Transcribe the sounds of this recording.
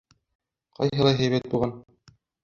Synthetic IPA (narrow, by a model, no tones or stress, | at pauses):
qʰɑ̰jɦɤ̆lˠɑjɦæjβæt̪̚bulˠʁɑn